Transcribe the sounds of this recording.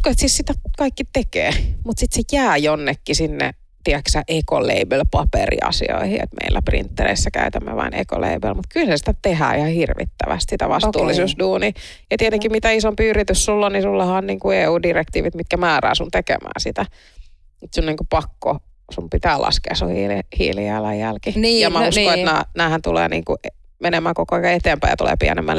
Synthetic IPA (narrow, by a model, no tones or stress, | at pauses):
koet̪sissit̪ækɑikːit̪ekḛːmut̪sit̪sejæːjonːekːisinːḛ | t̪iæksæʔekoleibølpɑperḭɑ̰sḭo̰ihiḛt̪mʔḛilːæprḭnt̪ːerḛisːækæyt̪æmːḛʋɑ̰inḛko̰lḛibelmut̪kylsesi̥t̪æt̪ehæ̰ːihɑhirʋḭt̪ːæʋæ̰st̪sit̪æʋɑst̪uːlːisusduːniː | jɑt̪iet̪eŋkimmit̪æisompiyrit̪yssulːonnisulːɑhɑːnniːŋkueːuːdirekt̪iːʋit̪mit̪̚kæmæːræ̰ːsunt̪ekḛmæ̰ːnsit̪æ | et̪sunniːŋkupɑkːo | sumpit̪æːlʔɑ̰skḛːsuhilhḭːljɑilɑjjælkijɑmæuskoet̪næːnæːhænt̪ulḛːnḭːŋkuʔe | menemæːkokoɑikɑet̪eːmpæijɑt̪ulḛːpiænemːæl